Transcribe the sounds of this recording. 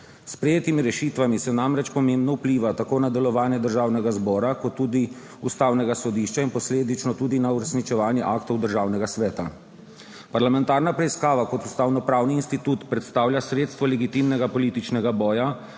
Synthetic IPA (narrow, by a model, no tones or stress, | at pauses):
spɾɛjeːt̪imiɾɛʃit̪ʋamisɛnamɾɛt͡ʃpɔmembnɔupliːʋat̪akoːnad̪ɛlɔʋaːnjɛd̪əɾʒaːwnɛɡazbɔːɾakɔt̪ːuːd̪i | ust̪aːwnɛɡasɔd̪iʃt͡ʃainpɔsleːd̪it͡ʃnɔt̪uːd̪inauɾɛsnit͡ʃɛʋaːnjɛʔakt̪ɔwd̪əɾʒaːwnɛɡasʋɛːt̪a | paɾlamɛnt̪aːɾnapɾɛiskaːʋakɔt̪ust̪awnɔpɾaːwniːnst̪it̪uːt̪pɾɛt̪st̪aːwljasɾeːt̪st̪ʋɔlɛɡit̪imnɛɡapɔliːt̪it͡ʃnɛɡabɔːja